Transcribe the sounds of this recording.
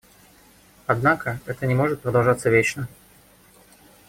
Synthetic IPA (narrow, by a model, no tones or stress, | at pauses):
ɐd̪nakəɛt̪ənʲɪmo̞ʐɨt̪̚pɾəd̪ɐlˠʐat̪səvʲet͡ɕnə